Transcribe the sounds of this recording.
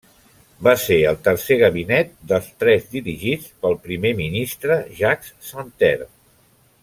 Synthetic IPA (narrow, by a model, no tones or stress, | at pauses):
baseəlˠt̪ərseɣəβ̞inɛt̪̚d̪əlˠst̪ɾɛzd̪iɾiʒit͡spəlˠpɾimeminist̪ɾəʒakssənt̪ɛ̰ɾ